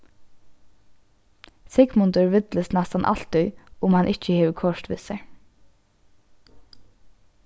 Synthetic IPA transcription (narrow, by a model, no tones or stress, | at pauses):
sɪɡmʊnt̪əɹʋɪt̪ləsnɛst̪ɑnʔɑ̰l̥t̪ʏʏʊmhɑnʔɪt͡ʃəheːʋəkʰɔʃt̪ʋɪ̰sə̰ɹ